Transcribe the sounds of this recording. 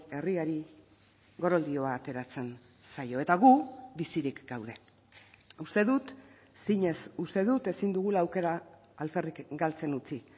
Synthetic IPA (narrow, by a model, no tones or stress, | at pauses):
e̞riaɾi | ɣo̞ɾo̞ld̪io̞aːt̪e̞ɾat͡se̞n | sajo̞e̞t̪aɣubisiɾikɡawð̞e̞ | ust̪e̞ðut̪ | siɲe̞sust̪e̞ðut̪e̞sind̪uɣulaːwke̞ɾaː | lfe̞rikɡalt͡se̞nut͡si